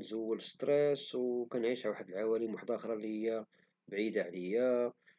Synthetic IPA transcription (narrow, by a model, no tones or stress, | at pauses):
nzəwːələst̪ɾeswkænʕiʃwaħəd̪əlʕawælimwaħd̪ˤʔxɾˤɑlihəjːa | bʕid̪aʕləjːa